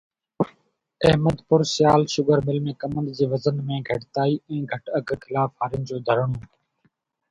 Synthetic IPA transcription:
ɛɦməd̪pʊɾsɪjaːlʃʊɡʱəɾmɪlmẽːkəmənd̪d͡ʑiːʋəzənmẽːɡʱəʈt̪aːiːɛ̃ːɡʱəʈəɡkɪlaːfɦaːɾɪnd͡ʑoːd̪ʱəɾəɳoː

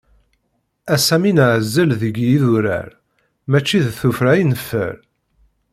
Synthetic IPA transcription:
æsæminʕəzːəlðəɡjiðuɾæ̰ɾ | mæt͡ʃːiðθufɾæjnəfːə̰ɾ

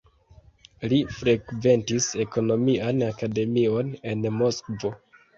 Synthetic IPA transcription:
lifɾeɡve̞ntise̞ko̞no̞miʔanakade̞mio̞ne̞nmo̞skvo̞

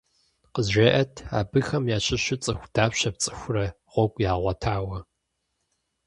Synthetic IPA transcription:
qəzʒʷeːʔɐtʰa̰ːbɨxɐmjaːɕɪɕɪt͡sʼɨxʷd̥aːpɕɐp̚t͡sʼɨxʷrɐ | ʁʷɔɡʷjaːʁʷɐtʰaːwɐ

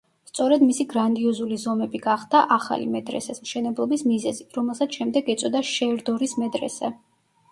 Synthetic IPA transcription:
st̪sʼɔɾɛd̪misiɡɾand̪iɔzulizɔmɛbiɡaχd̪̥aʔaχa̰lḭmɛd̪ɾɛ̰sɛsmʃɛnɛblˠɔbismizɛziɾɔmɛlˠsat̪sʃɛmd̪ɛɡɛt̪sʼɔd̪aʃɛɾd̪ɔɾismɛd̪ɾɛ̰sɛ

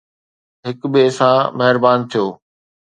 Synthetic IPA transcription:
ɦɪkbɪsãːmɐɦɪɾbaːnt̪ʰijoː

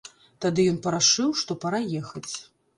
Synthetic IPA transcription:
t̪ad̪ɨjɔnpɐɾaʂɨwʂt̪ɔpɐɾajɛxɐt͡sʲ

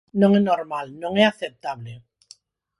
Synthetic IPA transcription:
nõŋenoɾmalnõŋeaθep̚t̪aβle

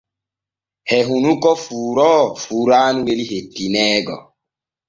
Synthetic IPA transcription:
hɛɦunukɔfuːɾɔfuːɾanuweliɦetːinɛːɡɔ̰

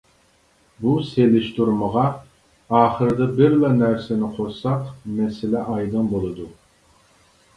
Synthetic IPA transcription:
buselɪʃt̪uɾməʁɑ | ɑːχəɾɨd̪ɨbɪɾlɑnæɾsɪnɪqʰoɾsɑqmɛsɪlɛʔɑjd̪ɨnbolˠɨd̪u

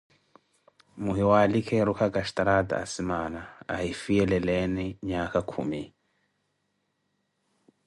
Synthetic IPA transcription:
muɦiwalikʰɛɾukʰaɡaʃtaɾada̰ːsimanaahifiɛlɛlɛnɛɲakakʰṵmi

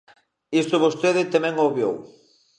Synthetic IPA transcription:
ist̪ʊβost̪eðɪt̪amɛ̃ŋoβjo̰w

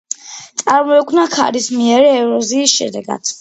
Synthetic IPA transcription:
t̪sʼaɾmɔɛkʼʰvnakʰa̰ɾismiɛɾɛɛvɾɔziːsʃɛ̰d̪ɛɡa̰d̪̥

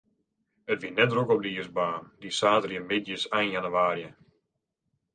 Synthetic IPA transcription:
ətʋinɛtrokɔp̚diːəsbaːndisaːtərjəmɪdjəsajnjanuwaːɾjə

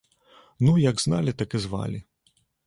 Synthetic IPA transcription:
nujɐɡznalʲit̪ɐkɨzva̰lʲi

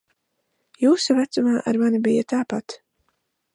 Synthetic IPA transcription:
juːsuvæt̪sumaːʔaɾmanibijat̪aːpat̪

